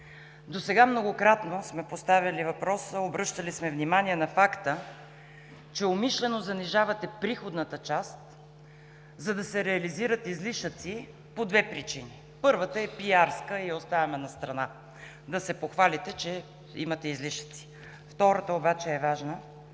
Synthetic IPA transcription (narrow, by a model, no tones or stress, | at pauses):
d̪osɛɡamnoɡokɾat̪nosmɛpost̪avʲəlivɐpɾɔsəobɾɤʃt̪əlismɛvnimaniɛnɐfakt̪ə | t͡ʃɛomiʃlɛnozɐniʒavɐt̪ɛpɾixod̪nət̪ət͡ʃast̪ | zɐd̪ɐsɛɾɛɐliziɾət̪izliʃət̪si | pod̪vɛpɾit͡ʃini | pɤɾvət̪əɛpiaɾskəiɛost̪avɐmɛnɐst̪ɾɐna | d̪ɐsɛpoxvalit̪ɛt͡ʃɛ | ḭmɐt̪ɛizliʃə̥t̪si̥ | ft̪ɔɾət̪əobat͡ʃɛːvaʒnə